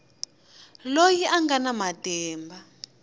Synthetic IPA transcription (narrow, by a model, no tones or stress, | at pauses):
lojiʔaŋɡanamatɛːmba